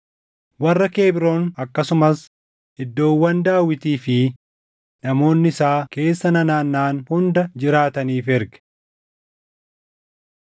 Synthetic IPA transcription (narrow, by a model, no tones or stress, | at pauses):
wɐrːɐke̞ːbɪɾo̞ːnɐkːɐsʊmɐs | ɪd̪ːo̞ːwːɐnd̪aːwːɪt̪iːfɪ | nɐmo̞ːnːɪɪsaːke̞ːsːɐnɐnaːnːaːnhʊnd̪ɐd͡ʒɪɾaːt̪ɐniːfɛɾɡɛ̥